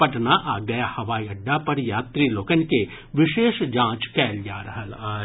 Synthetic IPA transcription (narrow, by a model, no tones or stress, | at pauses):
pɐʈnaʔaːɡɐjahɐʋaːiɐɖːapɐɾjaːt̪ɾiloːkənke | ʋɪʃeːʃd͡ʒãːt͡ʃkɛːljaːɾɐɦəlaː